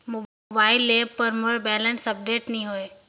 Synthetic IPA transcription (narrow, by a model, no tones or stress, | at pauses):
mo | baːɪlːepəɾmoɾbɛːlənsɐp̚ɖeːʈnĩɦoe